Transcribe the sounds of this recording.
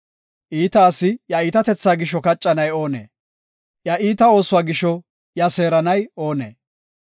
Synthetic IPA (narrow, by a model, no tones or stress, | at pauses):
ʔiːt̪aːsːɪjɐiːt̪ɐt̪ɛt͡sːaːɡɪʃːɔkɐt͡ʃʼːɐnɐjo̞ːnḛː | jɐʔiːt̪ɐo̞ːsʊwaːɡɪʃːɔ | jɐse̞ːɾɐnɐjo̞ːnḛː